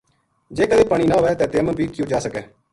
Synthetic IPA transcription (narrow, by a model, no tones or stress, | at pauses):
d͡ʒeːkəeːpaːɽ̃iːnãːɦoːʋɛːt̪ɛːt̪eːməbʱiːkjõːd͡ʒaːsəkɛː